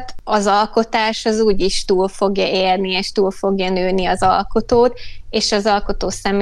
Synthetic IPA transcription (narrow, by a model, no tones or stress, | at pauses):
t̪ɒzɒlko̞t̪aːʃɒzuːɟiʃt̪uːlfo̞ɡjɒʔeːrnieːʃt̪uːlfo̞ɡjɒnøːniɒzɒ̰lko̞t̪oːt̪eːʃɒzɒlko̞t̪oːsɛm